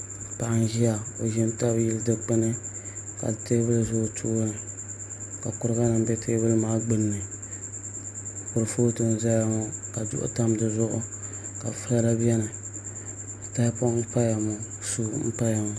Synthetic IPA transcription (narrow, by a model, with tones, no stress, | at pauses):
pa˨ʔa˦n˦ʒi˦ja˨o˨ʒi˦nta˦bjɪ˦ldɨ˦k͡pɨ˦nɨ˦ka̰˨te˦bɨ˦lɨ˨zʊ˦˨tʰuː˦nɨ˨ | ka˨kʊ˨ɾɨ˦ɡa˦nɨ˨mbɛ˦tʰeː˦bɨ˦lɨ˦maː˦ɡ͡bɨ˦nːɨ˨ | kʊ˨ɾɨ˨foː˦tɨ˨n˨za˦ja˦ŋo˦ka˨dʊ̰˦ʔʊ̰˦ta˦mdɨ˨zʊ˦ʔʊ̰˦ | ka˨fɨ˦a˦la˦bɛ˦nɨ˨ | ta˦jpo˦m̩˦pa˦ja˨mo˨ | su˦m̩˦pa˦ja˨mʊ˨